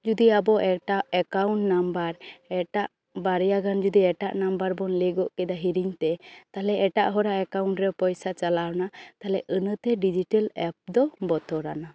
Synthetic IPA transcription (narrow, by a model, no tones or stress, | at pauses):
d͡ʒud̪iabɔʔɛʈaɛkawɳʈnambəɾɛʈaʔ | baɾɛjaɡand͡ʒud̪iɛʈaʔnambaɾbɔnlɛɡɔʔkɛd̪aɦiɾiɲt̪ɛt̪alɛɛʈa̰ʔɦɔɾaɛkawɳʈɾɛpɔjsat͡ʃalawnat̪alɛʔənət̪ɛɖid͡ʒiʈəlɛp̚d̪ɔbɔt̪ɔɾana